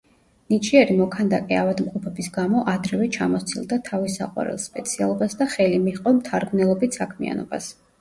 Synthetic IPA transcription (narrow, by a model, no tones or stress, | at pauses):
nit͡ʃʰiɛɾimɔkʰand̪akʼɛavad̪mqʼupʰɛbisɡamɔʔad̪ɾɛvɛt͡ʃʰamɔt̪sʰilˠd̪at̪ʰavisa̰qʼwa̰ɾɛ̰lˠspʼɛt̪sʰia̰lˠɔbasd̪aχɛlimiχqʼɔmt̪ʰaɾɡmnɛlˠɔbit̪ʰsakʰmḭa̰nɔ̰ba̰s